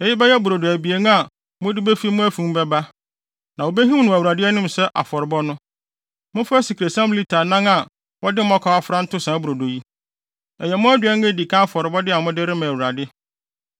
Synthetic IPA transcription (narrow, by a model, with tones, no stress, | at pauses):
ɛ˨ji˦bɛ˦jɛ˦bu˨ɾo˨do˨æ˨bi˨e˨ñ˦a˨ | mʊ̃˦dɪ˦be˦fi˦mʊ̃˦æ˦fũ˨˦m˦bɛ˦ba˦ | nã˨wo˨be˦ɦĩ˦nʊ̃˨æ˨wu˨ɾa˨dɪ˦ɛ˦nɪ̃˦m˨sɛ˦ʔa̰˨fɔ˨ɾɪ˨bɔ˦nʊ̃˦ | mʊ̃˦fæ˦si˨kʰɾe˨sã˦mbli˦tʰa˨nã˦ŋa˨ | wɔ˦dɪ˦m˦ɔ̃˦kʰa˨˦a˦fɾa˦n̩˦tʊ˦sã˨˦bu˨ɾo˨do˨ji˦ | ɛ˨jɛ˨mʊ̃˦æ˦dɥɛ˦ŋɡe˦di˨kʰã˦a˦fɔ˨ɾɪ˨bɔ˦dɪ˦a˨mʊ̃˦dɪ˦ɾɪ˦mã˨æ˨wu˨ɾa˨dɪ˦